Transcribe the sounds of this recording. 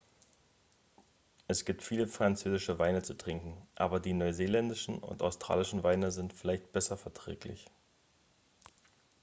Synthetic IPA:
ʔɛsɡ̥iːp̚tfiːləfʁ̥ant͡søːzɪʃəvaɪnət͡sutʁ̥ɪŋkŋ̩ʔa̰ːbɐdiːnɔʏzeːlɛndɪʃn̩ʊ̰ntʔa̰ʊstʁ̥a̰ːlɪʃn̩vaɪnəzɪntfɪlaɪçt̚b̥ɛsɐfɛɐtʁ̥ɛ̰ːklɪ̰ç

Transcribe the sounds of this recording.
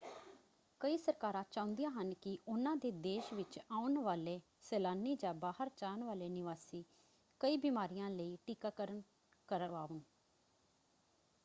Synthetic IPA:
kəiːsəɾkaːɾãːt͡ʃãːʊ̃nd̪ijãːɦənkɪʔʊnãːd̪eːd̪eːʃʋɪt͡ʃaːʊnʋaːleː | sɛːlaːniːd͡ʒãːbaːhəɾt͡ʃaːnʋaːleːnɪʋaːsiː | kəiːbiːmaːɾijãːləiːʈiːkaːkəɾən | kəɾaːʋən

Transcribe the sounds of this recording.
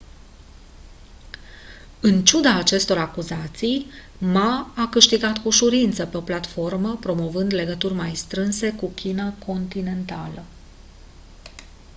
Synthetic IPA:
ɨnt͡ʃud̪aːt͡ʃe̞st̪o̞ɾakuzat̪sij | maːkɨʃt̪iɡat̪kuʃuɾint̪səpe̞o̞plat̪fo̞rməpɾo̞mo̞vɨnd̪le̞ɡət̪urʲmajst̪ɾɨnse̞kukʲinakʰo̞nt̪ine̞nt̪alə

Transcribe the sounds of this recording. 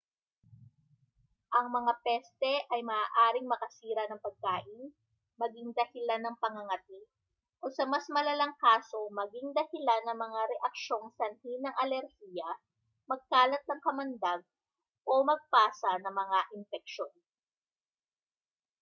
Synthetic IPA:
ʔɐŋmɐŋapɛst̪ɛʔɐjmɐʔaːʔaːɾɪŋmɐkɐsiːɾɐnɐŋpɐɡ̚kaːʔɪn | mɐɡiŋd̪ɐhɪlanːɐŋpɐŋɐŋɐt̪i | ʔosɐmɐsmɐlɐlɐŋkaːso̞mɐɡɪŋd̪ɐhɪlanːɐŋmɐŋaɾɛʔɐkʃo̞ŋsɐnhinɐŋʔɐlɛɾhijɐ | mɐɡ̚kaːlɐt̪̚nɐŋkɐmɐnd̪aɡ̚ | ʔomɐɡ̚paːsɐnɐŋmɐŋaʔɪnfɛk̚ʃo̞n

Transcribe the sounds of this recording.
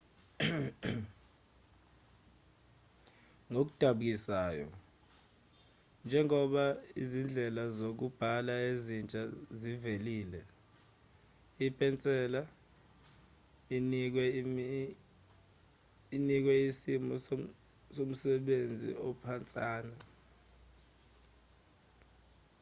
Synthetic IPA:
ŋok̬u̥d̥ʱaɓuk̬isaːjɔ̰ | nd͡ʒʱɛŋɔɓaizind͡ɮʱɛlazok̬ub̥ʱalaezint͡ʃʼaziveliːlɛ | ipʰʼɛnt͡sʼɛːla | ink̬wɛ | inik̬wɛisimɔ | som̩sɛɓend͡zʱḭɔpʰant͡sʼaːna

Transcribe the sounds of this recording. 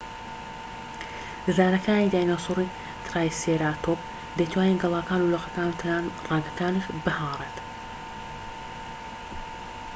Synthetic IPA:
zaːnɐkʰaːniːd̪aːjnasuɾi | t̪ʰɾaːjseɾaːt̪ʰop̚ | d̪ejt̪ʰwaːjiŋɡɨlˠaːkaːnuloqɐkaːnut̪ʰɐnaːnrˤaːɡɐkaːniʃbɨhɑːrˤet̪

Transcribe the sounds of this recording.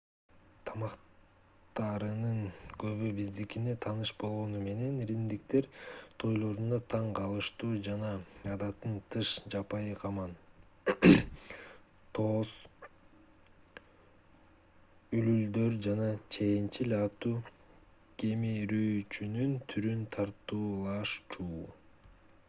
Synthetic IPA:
t̪ʰɑmɑq | t̪ɑɾɯnɯnɡø̞βybizd̪ikine̞t̪ʰɑnɯʃbo̞lˠʁo̞nume̞ne̞nɾimd̪ikt̪e̞ɾt̪ʰo̞jlˠo̞ɾund̪ɑt̪ʰɑɴqʰɑlˠɯʃt̪uːd͡ʒɑnɑɑd̪ɑt̪ːɯnt̪ʰɯʃd͡ʒɑpɑjɯqʰɑmɑn | t̪ʰo̞s | ylyld̪ø̞ɾd͡ʒɑnɑt͡ʃʰe̞jint͡ʃilɑt̪uː | ke̞miɾøjt͡ʃynynt̪ʰyɾynt̪ʰɑɾt̪uːlˠɑʃt͡ʃuː

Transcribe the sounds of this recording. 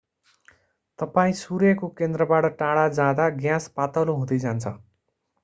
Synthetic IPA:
t̪ʌpaĩsuɾjʌkokend̪rʌbaʈʌʈaɽad͡zad̪aɡjãspat̪ʌloɦũd̪ijd͡zant͡sʰʌ̰

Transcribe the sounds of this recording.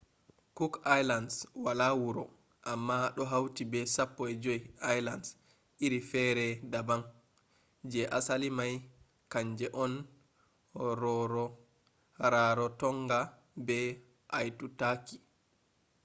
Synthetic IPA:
kukajlanswalawuɾɔ | ʔamːaɗɔɦawtibɛsapːɔɛd͡ʒɔjajlans | ʔiɾifɛɾɛdabaŋ | d͡ʒɛʔasalimaj | kaɲd͡ʒɛʔɔn | ɾɔɾɔ | ɾaɾɔtɔŋɡa | bɛ | ʔajtutaki̥

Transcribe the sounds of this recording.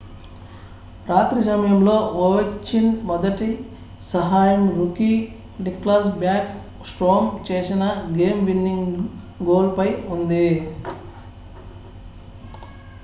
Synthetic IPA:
ɾaːt̪ɾis̬ɐmɐjɐmlo̞ːoʋɐt͡ʃːinmɔd̪ɐʈi | sɐɦaːjɐmɾuki | ɖiklɐsbjaːk | sʈoːmt͡ʃe̞ːsinɐɡe̞ːmʋinːiŋɡ | ɡo̞ːlpɐjund̪i

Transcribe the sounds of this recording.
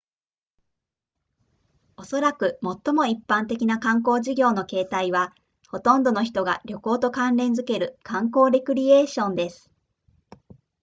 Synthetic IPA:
o̞so̞ɾakɯ̟mo̞t̪ːo̞mo̞ipːãnt̪e̞kʲinakãŋko̞ːʑiɡʲo̞ːno̞ke̞ːt̪aiβ̞a | ho̞t̪õ̞nd̪o̞no̞çi̥t̪o̞ɡa̰ɾʲo̞ko̞ːt̪o̞kãnɾẽ̞nd͡zɨke̞ɾɯ̟kãŋko̞ːɾʲekɯ̟ɾʲie̞ːɕõ̞nd̪e̞sɨ̥

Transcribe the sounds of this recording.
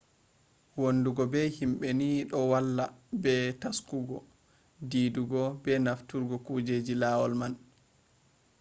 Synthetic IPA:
wonːduɡɔbɛhimɓɛniɗɔwalːabɛtaskuɡɔ | diːduɡɔbɛnaftuɾɡɔkuːd͡ʒed͡ʒilaːwɔlman

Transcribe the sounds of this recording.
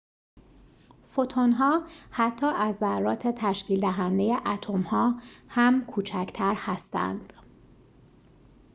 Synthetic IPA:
fot̪ʰonɦɒːhæt̪ʰːɒːʔæzːærːɒːt̪ʰe̞t̪ʰæʃciːld̪æɦænd̪e̞je̞ʔæt̪ʰo̞mhɒːhæmkʰuːt͡ʃʰæcʰt̪ʰæɾhæst̪æ̰nd̪̥

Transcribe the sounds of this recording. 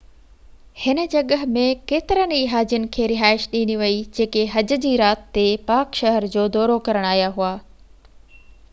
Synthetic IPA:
hɪnə̆d͡ʑɐɠəɦmẽkeːt̪ɪɾəniːɦaːd͡ʑʊnɪ̆kʰeːɾɪɦaːɪʃɗĩːniʋɐid͡ʑeːkeɦɐd͡ʑʊ̆d͡ʑiːɾaːt̪ːepaːkʃɐɦəɾd͡ʑoːd̪ɔːɾokɐɾəɽ̃aːɦijaɦuaː

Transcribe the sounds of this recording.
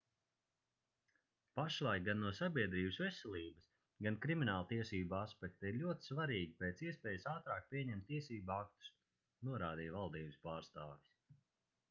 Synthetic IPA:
paʃlˠajɡanːuɔsabʲiɛd̪ɾiːbəsvɛsɛlʲˠiːbɐs | ɡankɾiminaːlˠt̪iɛsiːbaspɛk̚t̪iɾlʲuɔt̪i̥svaɾiːɡʲipɛːt̪siɛspʲɛːjsaːt̪ɾaːk̚pʲiɛɲɛmt̪ːiɛsiːbuak̚t̪u̥s | nuɔɾaːd̪iːjvalˠd̪iːbɨspaːɾst̪aːvis

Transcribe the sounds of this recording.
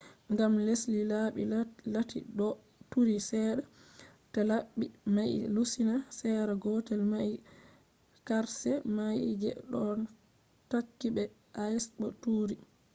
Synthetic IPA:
ŋɡamleslilaɓḭlatḭɗɔ | tuɾisɛːɗa | talaɓimajlusinasɛɾaɡɔtɛlmaj | kaɾsɛmajd͡ʒɛ̰ɗɔn | takːiɓɛ | ʔasɓɔtuːɾi

